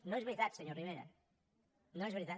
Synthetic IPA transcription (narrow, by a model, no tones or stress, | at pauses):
nõeβɾit̪at̪seɲoriβeɾa̰ | nõezβeɾit̪a